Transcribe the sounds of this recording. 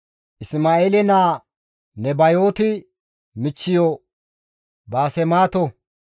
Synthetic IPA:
ʔɪsmaːeːlɛnaː | nɛbɐjo̞ːt̪ɪ | mɪt͡ʃːɪjɔ | baːsɛmaːt̪ɔ

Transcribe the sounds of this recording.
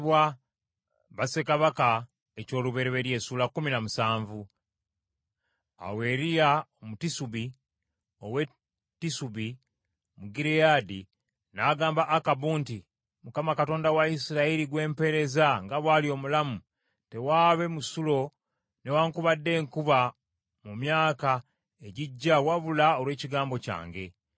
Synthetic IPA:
βwa | βase̞kaβaka | eco̞ːluβe̞ɾeβeɾje̞ːsuːlakːuminamusaːɱvu | a̰we̞ːɾijaomutisuβi | owe̞ | tːisuβi | muɡiɾejadi | naːɡaːmbaʔːkabuːnti | mukamakato̞ːndawaisiɾaiɾiɡwe̞ːmpe̞ɾe̞zaŋɡaβwaːlio̞ːmulamu | te̞waːβe̞musulo̞ | ne̞waːŋkuβadːe̞ːŋkuβa | mumjaːka | eɟiɟːawaβulao̞lwe̞ːciɡaːmbo̞ca̰ːŋɡe̞

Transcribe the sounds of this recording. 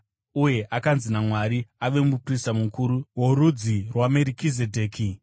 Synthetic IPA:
uje̞ʔakanzinamwaɾiaʋe̞mupristamukuɾuwo̞ɾud͡zirwameɾikizedʱe̞ːkʰi

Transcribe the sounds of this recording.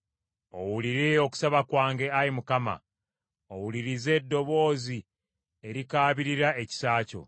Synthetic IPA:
o̞wuliɾeo̞ku̥saβakwaːŋɡe̞ajimukama̰ | owuliɾize̞ːdːo̞βo̞ːzi | e̞ɾikaːβiɾiɾaeci̥saːco̞̰

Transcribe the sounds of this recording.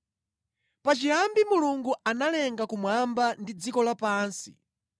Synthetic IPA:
pat͡ʃiambimuluŋɡuanalɛŋɡakumwambandid͡zikɔlapaːnsi̥̰

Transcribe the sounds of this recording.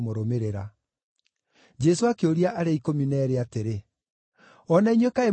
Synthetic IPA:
moɾomeɾeɾa | d͡ʒɛsoakeoɾiaʔaɾeikominɛːɾeateɾe | ɔnaiɲwekae

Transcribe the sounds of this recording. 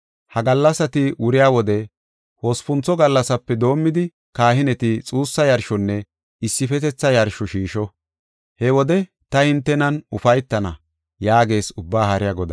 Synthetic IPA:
hɐɡɐlːɐsɐt̪ɪwʊɾɪjaːwɔd̪ɛ | ho̞ːspʊnt͡sɔɡɐlːɐsɐpːɛd̪o̞ːmːɪd̪ɪ | kaːhɪnɛt̪ɪt͡sʼuːsːɐjɐɾʃɔnːɛ | ɪsːɪfɛt̪ɛt͡sːɐjɐɾʃɔʃiːʃɔ | hɛwɔd̪ɛ | t̪ɐhɪnt̪ːɛnɐnʊfɐjt̪ːɐnɐ̰ | jaːɡe̞ːsʊbːaːhɐɾɪjaɡɔd̪ɐ

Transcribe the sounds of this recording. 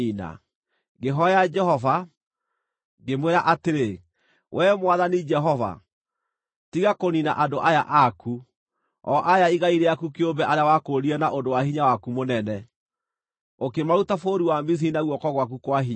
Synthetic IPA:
ina̰ | ɡeɦɔjad͡ʒɛhɔva | ɡemweɾaʔateɾe | wʔɛmwaðanid͡ʒɛɦɔva̰ | tiɣakonina̰ʔadoʔaja̰ʔaku | ɔʔajaiɣaiɾɛakukeombɛʔaɾeawakoɾiɛnaʔondowahiɲawakumonɛnɛ | okemautafoɾiwamis̬inaɣwɔkɔɣwak̬ukwaɦiɲ

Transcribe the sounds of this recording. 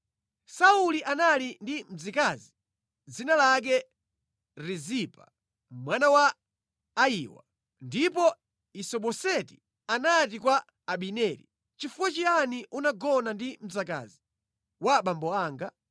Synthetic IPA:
sauliʔanalindim̩d͡zikazi | d͡zinalak̬ɛ | ɾizipa | mwanawaː | iːwa̰ | ndip̬ɔ | isɔɓɔsɛti̥ | anat̬ikwaː | ɓinɛlḭ | t͡ʃifuwat͡ʃianiʔunaɡɔnandim̩d͡zaka̰zi | waɓambɔaːŋɡa

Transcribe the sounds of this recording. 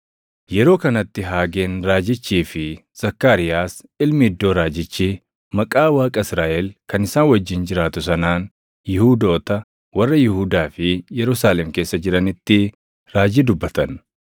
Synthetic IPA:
jɛɾo̞ːkɐnɐt̪ːɪɦaːɡeːnɾaːd͡ʒɪt͡ʃːiːfɪ | z̥ɐkːaːɾɪjaːs | ɪlmɪɪd̪ːo̞ːɾaːd͡ʒɪt͡ʃːiː | mɐkʼaːwaːkʼɐɪsɾaːʔɛlkɐnɪsaːnwɐd͡ʒːɪnd͡ʒɪɾaːt̪ʊs̬ɐnaːn | jɪhuːd̪o̞ːt̪ɐ | wɐrːɐjɪhʊd̪aːfɪjɛɾʊsaːlɛmke̞ːsːɐd͡ʒɪɾɐnɪt̪ːɪ | ɾaːd͡ʒiːd̪ʊbːɐt̪ɐn

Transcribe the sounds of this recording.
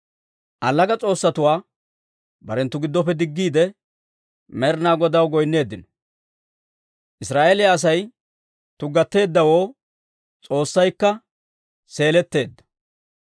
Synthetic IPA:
ʔɐlːɐɡɐt͡sʼo̞ːsːɐt̪ʊwaː | bɐɾɛnt̪ːʊɡɪd̪ːɔpːɛd̪ɪɡːiːd̪ɛ | mɛɾnaːɡɔd̪ɐwɡɔjnːe̞ːd̪ːɪnɔ̥ | ʔɪsɾaːʔeːlɪjɐːs̬ɐj | t̪ʊɡɐt̪ːe̞ːd̪ːɐwoː | t͡sʼo̞ːsːɐjkːɐ | se̞ːlɛt̪ːe̞ːd̪ːɐ̥

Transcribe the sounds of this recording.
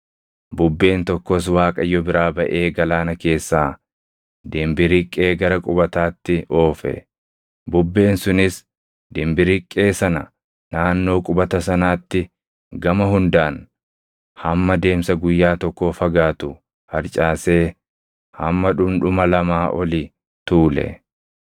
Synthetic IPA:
bʊbːe̞ːnt̪ɔkːos̬waːkʼɐjːɔbɪɾaːbɐʔe̞ːɡɐlaːnɐke̞ːsːaː | d̪ɪmbɪɾɪkʼːe̞ːɡɐɾɐkʼʊbɐt̪aːt̪ːɪʔo̞ːfɛ̰ | bʊbːe̞ːnsʊnɪs | d̪ɪmbɪɾɪkʼːe̞ːsɐnɐ | naːnːo̞ːkʼʊbɐt̪ɐsɐnaːt̪ːɪ | ɡɐmɐɦʊnd̪aːn | hɐmːɐd̪e̞ːmsɐɡʊjːaːt̪ɔkːofɐɡaːt̪ʊ | hɐɾt͡ʃʼaːse̞ː | hɐmːɐᶑʊmᶑʊmɐlɐmaːʔɔli | t̪uːlɛ̰

